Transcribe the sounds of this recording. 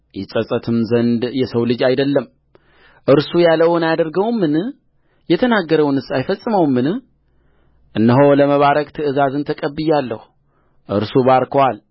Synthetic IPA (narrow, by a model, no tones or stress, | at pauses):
jɛsʼəsʼət̪ʰɨmzənd̪jɛsəwlɨd͡ʒajd̪əlːəm | ʔɨɾsujaləwnajad̪əɾɡəwmːɨn | jɛt̪ʰənaɡːəɾəwnɨsajfəsʼːɨməwmːɨn | ʔɨnːəɦo̞ləməβaɾəkʼt̪ʰɨʔɨzazɨnt̪ʰəkʼəbːɨjalːəhu | ʔɨɾsuβaɾkʰowal